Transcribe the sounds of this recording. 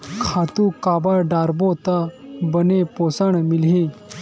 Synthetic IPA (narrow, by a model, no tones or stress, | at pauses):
kʰat̪ukabaɖaɾbot̪abənepɔsaɳmilɦẽ